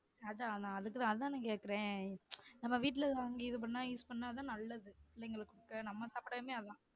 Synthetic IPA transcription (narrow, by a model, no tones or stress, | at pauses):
ɐðãːðãɐðɯkːɯt̪ãːɐðɯt̪ãːnãːkeːʈkːɪɾẽː | nɐmːɐʋiːʈ̬ːɪlɐt̪aːŋɡɐɪðɯp̬ɐɳːaːiːspɐnːaːt̪ãːnɐlːɐðɯɪlːɐɪŋɡɐɭɯkːʊɽɯkːɐ̃ːnɐmːɐsaːpɪɽɐːmeːɐðãː